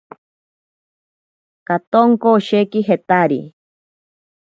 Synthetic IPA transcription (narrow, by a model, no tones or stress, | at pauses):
kat̪oŋkooʃekiɦet̪aɾḭ